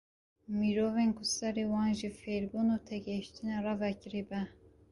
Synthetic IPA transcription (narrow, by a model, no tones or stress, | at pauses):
miɾoːvenkʊsɛɾewɑːnʒifeɾbunut̪ʰɛɡɛʃt̪ɨnerɑvɛkɨɾibɛ